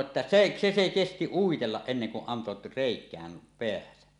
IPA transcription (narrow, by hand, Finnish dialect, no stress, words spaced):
etːæ seʔ se se kesti uitelːɑʔ ʔenːeŋ kuʔ ʔɑnto reˑikˑæːm peæsæ